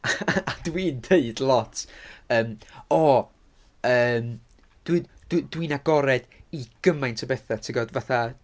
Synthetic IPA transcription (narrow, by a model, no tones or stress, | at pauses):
ad̥wiːndʰeɨdlˠɔtʰəːmɔ | əːm | d̥wid̥wdwinaɡɔɾɛd̥iɡ̥əmajntʰəbɛθatʰɪɡɔdvaθa